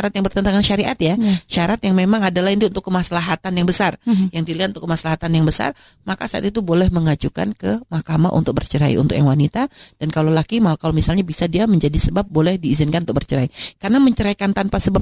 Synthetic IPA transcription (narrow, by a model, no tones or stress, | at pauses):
aɾat̪jaŋbərt̪ənt̪aŋanʃaɾiʔat̪̚jaʃaɾat̪jaŋmemaŋadalahint̪uunt̪ʊkːəmasalaɦat̪anjaŋbəsarjaŋdiliat̪unt̪ʊkːəmasalaɦat̪anjaŋbəsa̰r | maka̰saa̰t̪it̪ubolɛhməŋad͡ʒuka̰nkəmahkama̰ʔṵnt̪ʊk̚bə̰rt͡ʃəɾa̰ḭʔṵnt̪ʊk̚jaŋwanit̪ad̥ankalolakimakalomisalɲabisadiaməɲd͡ʒadisəbap̚bolɛhdiːzɪnkanut̪ʊkbərt͡ʃəɾaikarənaməɲt͡ʃəɾaikant̪anpasəbap̚